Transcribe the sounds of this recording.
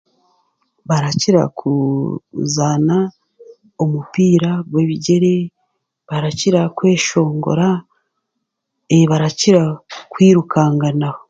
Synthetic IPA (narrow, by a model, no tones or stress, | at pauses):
βaɾaciɾa̰kʰu | zana | omupiːɾaɡwe̞ːβiɟe̞ɾe̞ | βaɾaciɾakwe̞ːʃo̞ːŋɡo̞̰ɾa | eβaɾaciɾakwiːɾukʰaːŋɡanaho